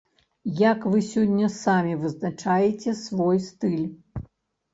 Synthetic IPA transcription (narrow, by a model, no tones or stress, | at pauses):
jakvɨsʲɔnʲːɐsamʲivɨznat͡ʂajɛt͡sʲɛsvɔjst̪ɨlʲ